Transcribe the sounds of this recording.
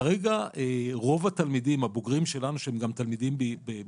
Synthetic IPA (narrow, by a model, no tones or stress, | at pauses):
ʁeɡaeʁo̞vat̪almid̪imhaboɡʁimʃe̞lanuʃeemɡamt̪almid̪imbibe